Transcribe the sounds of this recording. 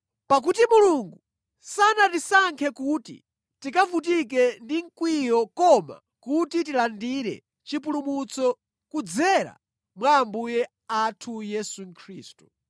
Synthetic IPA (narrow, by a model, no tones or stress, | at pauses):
pak̬utimuluŋɡu | sanatisaŋkʰɛkutḭ | tikavut̬ik̬ɛndiŋkwijɔkɔma̰ | kutitilandiɾɛ̰ | t͡ʃipulumut͡sɔ | kud͡zɛɾa̰ | mwaːmbujɛ | atʰujɛsuŋkʰɾiːstu̥